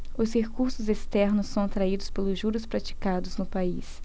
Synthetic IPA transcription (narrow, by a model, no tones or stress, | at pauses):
ʊshekuɾsʊzest̪ɛɾnʊsːɐ̃w̃at̪ɾaid̪ʊspelʊʒuɾʊspɾat͡ʃi̥kad̪ʊznʊpais